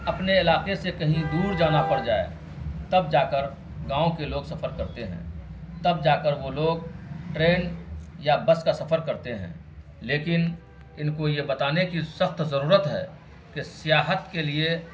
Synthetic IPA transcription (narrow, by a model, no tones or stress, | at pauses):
ɐpneɪlaːqesekɐɦĩd̪uːɾd͡ʒaːnapəɾd͡ʒaːḛ | t̪əb̚d͡ʒaːkəɾ | ɡãːõkeloːɡsɐfʰəɾkɐɾt̪eɦɛ̰̃ːt̪ɐb̚d͡ʒaːkəɾʋoloːɡ̚ʈɾeːn | jabəskasɐfəɾkɐɾt̪eɦɛ̰̃ː | leːkɪn | ɪnkojebɐt̪aːnekisəxt̪zɐɾuːɾət̪ɦɛ̰ː | kesɪjaːɦət̪kelie